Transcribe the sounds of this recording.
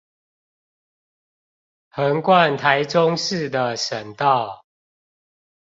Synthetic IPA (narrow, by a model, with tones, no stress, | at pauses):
hə˨˦ŋkwa˥˨nt̪ʰa˨˦ɪʈ͡ʂo˦ŋʂɻ̩˥˨d̪ə˨ʂə˨˩ŋt̪ɑ˥˨ʊ